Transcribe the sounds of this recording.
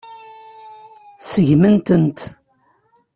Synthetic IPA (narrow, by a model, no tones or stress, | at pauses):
səʝmənt̪ənt̪